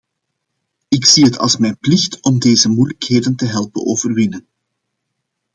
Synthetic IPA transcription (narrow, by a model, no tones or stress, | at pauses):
ɪksiɦətʰɑ̰lˠsmɛjnplɪxtɔmdeːzəmujləkɦeːdəntəɦɛlˠpə̰noːvərwɪnən